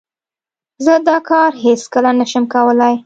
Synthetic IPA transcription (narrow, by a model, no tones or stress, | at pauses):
zəd̪ɑkɑɾɦeskəlanəʃəmkawəlaj